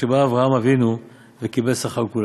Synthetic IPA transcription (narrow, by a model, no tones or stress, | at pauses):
ebaːvʁaamavinu | vekibelsaχaʁkul